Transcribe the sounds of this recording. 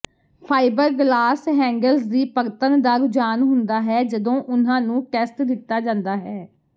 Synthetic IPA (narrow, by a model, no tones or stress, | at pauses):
pʰaːɪbəɾɡlaːsɦɛ̃ːŋɡəlsd̪iːpəɾt̪ənd̪aːɡʊd͡ʒaːnɦʊnd̪aːɦɛːd͡ʒəd̪õːʔʊn̤ãːnũːʈɛːsʈd̪ɪt̪ːaːd͡ʒãːnd̪aːɦɛː